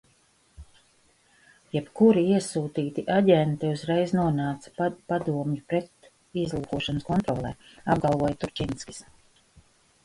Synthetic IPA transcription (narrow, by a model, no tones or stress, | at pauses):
jɛpkuɾiiɛsuːt̪iːt̪iʔaɟɛnt̪ɛuzɾɛjznuɔnaːt̪sḁpad̪uɔmjupɾɛt̪ | izlˠuːkuɔʃanskɔnt̪ɾɔːlˠɛ̰ːab̚ɡalˠvuɔjat̪uɾt͡ʃʲinskʲi̥s